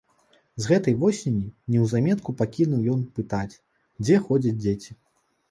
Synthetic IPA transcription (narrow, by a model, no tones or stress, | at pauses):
zɣɛt̪ɐjvɔsʲenʲinʲɛwzamʲɛt̪kupakʲinuwjɔnpɨt̪at͡sʲ | d͡zʲɛxɔd͡zʲɐd͡zʲd͡zʲet͡sʲi